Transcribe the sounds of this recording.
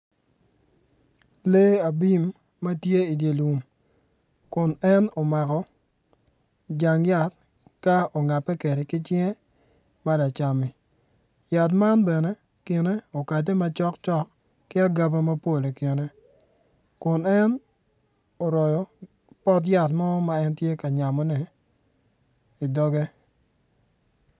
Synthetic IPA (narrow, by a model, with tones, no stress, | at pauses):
le˦a˨bi˦mː | a˦tje˦i˨dje˨lu˨m | kʊ˨nɛ˦no˨ma˨kɔ˨ | d͡ʒa˨ŋja˦t̚ | ka˦o˨ŋa˨pːɛ˦ke˨ɾe˨kɪ˦t͡ʃɪɛ˦ | ma˦la˨t͡ʃa˨mi˨ | ja˨t̬ma˦nbɛ˨nɛ˦ | kɪ˨ne˦o˨ka˨t̬e˦ma˦t͡ʃɔ˦kt͡ʃɔ˦kː | ɪ˦a˦ɡa˦ba˦ma˦po˦˨le˨ke˨ne˦ | kʊ˨nɛ˦n | o˨ɾɔ˨jɔ˨ | pɔ˦t̬ja˨tmɔ˦ma˨ɛ˦ntje˦ka˨ɲa˨mɔ˨˦nɛ˨ | i˨dɔ˦ɡe˦